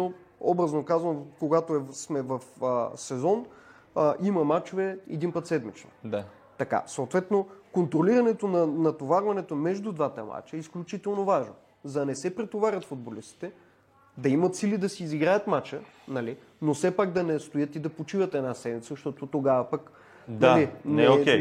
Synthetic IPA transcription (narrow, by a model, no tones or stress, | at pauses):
o | ɔbɾɐznokazvəmkoɡat̪oɛsmɛvɐfəsɛzɔn | əʔiməmat͡ʃovɛɛd̪inpət̪sɛd̪mit͡ʃno̰ | t̪ɐka̰soʊt̪vɛt̪nokont̪ɾoliɾɐnɛt̪onɐnɐt̪ovaɾvɐnɛt̪omɛʒd̪ud̪vat̪əma̰t͡ʃəisklʲut͡ʃit̪ɛlˠnovaʒno̰ | zɐnɛsɛpɾɛt̪ovaɾʲɐt̪fud̪̚bolist̪i̥t̪ɛ | d̪ɐimɐt̪silid̪ɐsiːziɡɾajət̪mat͡ʃə | nɐli | nosɛpaɡd̪ɐnɛst̪ojət̪id̪ɐpot͡ʃivət̪ɛnasɛd̪mit̪səzʃt̪ɔt̪ot̪oɡavɐpək | nɐlinɛokʲɛ